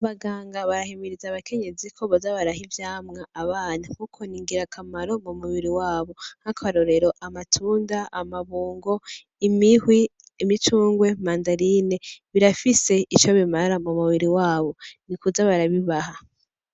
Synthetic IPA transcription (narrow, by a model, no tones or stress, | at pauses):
aβaɡaːŋɡaβaɾahemiɾizaβakʰe̞ɲe̞zikʰo̞βozaβaɾahivjaːmŋaaβaːnaŋkukʰo̞niŋɡiɾakʰamaɾo̞mumuβiɾiwaːβo̞hakʰaβaɾo̞ɾe̞ɾo̞ʔamatʰuːndaamaβuːŋɡo̞ | imihwi | imit͡ʃuːŋɡwe̞maːndaɾine̞βiɾafise̞it͡ʃo̞βimaɾamumuβiɾiwaːβo̞nikuzaβaɾaβiβaha